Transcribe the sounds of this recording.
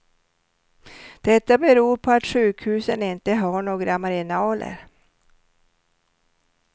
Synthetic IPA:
d̪̥ɛt̪ːabɛɾuːɾpʰɔat̪ɧʉ̟ːkhʉ̟ːsənɪnt̪əɦaɳoːɡɾamaɾɪnɑːlʔə̰ɾ

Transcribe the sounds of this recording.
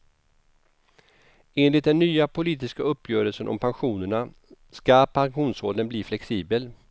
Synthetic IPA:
eːnlɪt̪̚d̪ɛnːyːapʰʊliːt̪ɪskaɵpːjœːɾəlsənʔɔ̰mpʰanɧuːnəɳa | skapʰanɧuːnsoːld̪ənbliːflɛksiːbəl

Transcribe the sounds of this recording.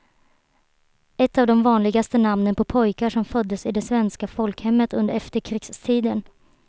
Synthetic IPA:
ɛt̪ːavd̪ɔmvɑːnlɪɡast̪ənamnənpʰɔpʰɔjkaʂɔmfœd̪ːəsɪd̪ɛsvɛnskafɔlkhɛmːət̪ɵnd̪əɾɛft̪əɾkʰɾɪɡst̪ʰiːd̪ən

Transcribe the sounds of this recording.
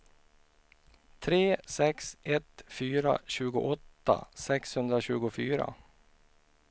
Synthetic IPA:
t̪ʰɾeːsɛksɛt̪fyːɾa̰ɕʉ̟ːɡʊ̰ʔɔt̪ːa̰sɛkshɵnd̪ɾaɕʉ̟ːɡʊfyːɾa̰

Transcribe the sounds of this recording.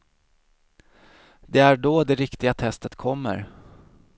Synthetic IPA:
d̪ɛæɖɔd̪ɛɾɪkt̪ɪɡat̪ʰɛst̪ət̪kʰɔmːə̰ɾ

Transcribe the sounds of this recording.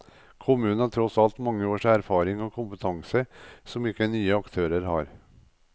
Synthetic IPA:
kʰʊmʉːnɑʈ̪ʰɾɔsɑlt̪mɑŋːəoːʂæɾfɑːɾɪŋoːkʰʊmpət̪ʰɑŋsəsɔmɪkːənyːəɑkt̪ʰøːɾəɾhɑ̰ːɾ

